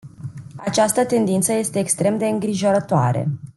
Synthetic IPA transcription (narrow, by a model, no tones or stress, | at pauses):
at͡ʃast̪ət̪e̞nd̪int̪səje̞st̪e̞ːkst̪ɾe̞md̪e̞ɨŋɡɾiʒo̞ɾət̪oa̰ɾḛ